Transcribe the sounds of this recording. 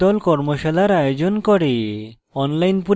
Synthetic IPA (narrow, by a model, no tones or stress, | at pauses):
ɔlkɔɾmoʃalaɾajod͡ʑonkɔɽe | ɔnlajnpu